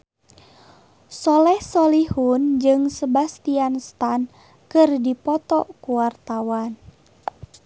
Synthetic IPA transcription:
sɔlɛhsɔlihund͡ʒɨŋsəbast̪ianst̪an | kɨrdipɔt̪ɔkuwart̪awan

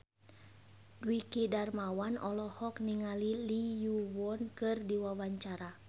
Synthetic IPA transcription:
dwikidarmawanɔlɔhɔk̚niŋalilijuwɔnkɨrdiwawaɲt͡ʃaɾa

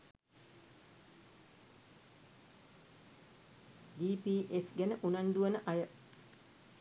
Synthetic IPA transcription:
d͡ʒiːpiːʔesɡænəʔunand̪uʋənəʔajə

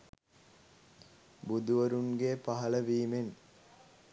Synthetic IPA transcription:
bud̪uʋəɾunɡepaɦɐləʋiːmen

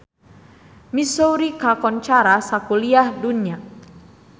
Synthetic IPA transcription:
misowɾikakɔnt͡ʃaɾasakuliahdunia

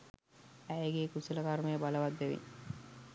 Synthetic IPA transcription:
æɡeːkusələkaɾmejəbaləʋad̪ːeʋḭŋ

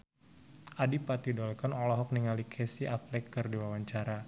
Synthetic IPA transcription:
ʔadipat̪idɔlkanɔlɔɦɔk̚niŋalikʰɛsiʔaflɛkːɨrdiwawaɲt͡ʃaɾa

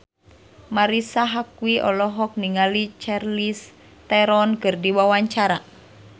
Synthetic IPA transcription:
maɾisaɦakwiʔɔlɔɦɔk̚niŋalit͡ʃarlis | t̪ɛɾɔnkɨrdiwawaɲt͡ʃaɾa

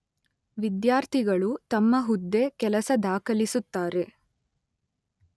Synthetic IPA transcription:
ʋid̪jaːɾt̪ʰiɡɐɭut̪ɐmːɐɦud̪ːe̞kɛlɐsɐd̪aːkɐlisut̪ːaːɾe̞

